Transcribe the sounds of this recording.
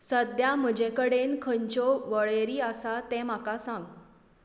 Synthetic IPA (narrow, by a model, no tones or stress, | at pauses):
səd̪jam̤əd͡ʑekəɽenkʰəɲt͡ɕɔʋəɭeɾiːəsat̪ɛ̃m̤akasãŋɡ